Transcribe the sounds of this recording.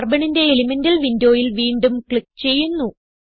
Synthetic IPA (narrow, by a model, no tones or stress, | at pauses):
rbɐɳinde̞ːlimɐndɐlʋindo̞ːjilʋiːɳɖumkɭikːt͡ɕe̞jːunːu